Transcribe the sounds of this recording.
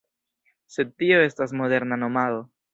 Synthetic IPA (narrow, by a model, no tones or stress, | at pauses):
se̞d̪̚tio̞e̞stasmo̞d̪e̞ɾnano̞malo